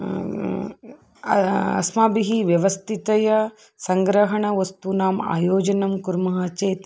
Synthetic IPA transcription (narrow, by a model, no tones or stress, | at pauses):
ɐ̰smaːbiɦiʋjɐʋɐst̪ʰit̪ɐjɐ | sɐŋɡɾɐɦɐɳɐʋɐst̪unaːma̰ːjoːd͡ʒɐnɐmkuɾmɐɦaːt͡ʃeːt̪